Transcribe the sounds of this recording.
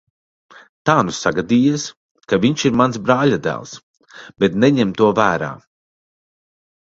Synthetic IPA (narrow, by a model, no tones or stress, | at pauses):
t̪aːnusaɡad̪iːjis | kaviɲʃiɾmansbɾaːʎʲad̪æ̰ːlˠs | bɛt̪nɛɲɛmt̪uɔvæːɾa̰ː